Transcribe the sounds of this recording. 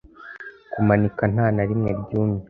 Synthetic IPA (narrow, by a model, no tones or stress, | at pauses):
kumanikan̥aːnaɾimŋe̞̰bɟuːmɲe